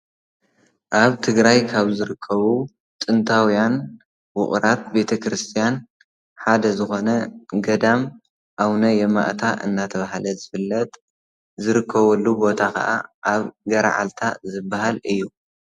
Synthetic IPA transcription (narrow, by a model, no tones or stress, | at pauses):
ʔaβt̪ʰɨɡɾajkʰaβzɨɾɨkʰːɐβu | t̪ʼɨnt̪ʰawijan | wʊ̰χʼɾat̪̚be̞t̪ʰɐkɾɨst̪ʰijan | ħad̪ɐzɨxo̞nɐɡɐd̪am | ʔawnɐjɛma̰ʔt̪ʰaʔɨ̰nːat̪ʰɐβahalɐzɨfɨlːɐt̪ʼ | zɨɾɨkʰːɐβɐlːubo̞t̪ʰakɐ̰ʔa̰ʔaβɡɐɾa̰ʕa̰lt̪ʰazɨbːahalɨjːu